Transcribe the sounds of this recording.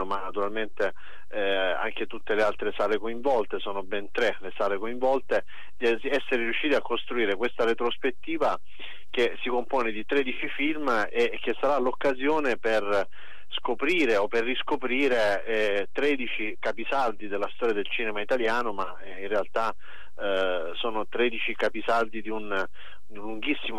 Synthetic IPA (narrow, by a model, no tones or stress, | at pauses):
manːat̪uɾalment̪e | a̰ŋk̟et̪ut̪ːelealt̪ɾesaːlekoiɱvɔlt̪esoːnobɛnt̪ɾelesaːɾekoiɱvɔlt̪e | d̪i | ɛsːeɾeɾjuʃːiːt̪iakːost̪ɾuiːɾekwest̪aɾet̪ɾospet̪ːiːva | k̟esikompoːned̪it̪ɾeːd̪it͡ʃifilmek̟ːesːaɾalokːazjoːneper | skopɾiːɾeoperːiskopɾiːɾe | t̪ɾɛːd̪it͡ʃikapisard̪id̪elːast̪ɔːɾjad̪elt͡ʃiːnemait̪aljaːnoma | inrealt̪a | soːnot̪ɾeːd̪it͡ʃikapisard̪id̪iun | luŋɡisːim